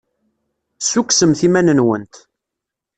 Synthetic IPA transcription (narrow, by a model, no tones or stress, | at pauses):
sukːsəmθimænənwə̰nt̪